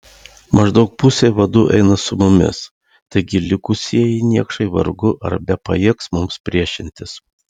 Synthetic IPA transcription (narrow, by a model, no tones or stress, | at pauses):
mɐʒd̪ɒʊk̚puːsʲeɪʋɐd̪ʊʔɛ̰ɪnɐsʊmʊmʲɪ̰s | t̪ɐɪɡʲɪlʲɪkʊsʲiɛjɪnʲiɛkʃɐɪʋɐ̰ɾɡʊʔɐ̰ɾbʲɛpɐjiɛksmʊmspʲɾʲiɛʃʲɪnʲt̪ʲɪs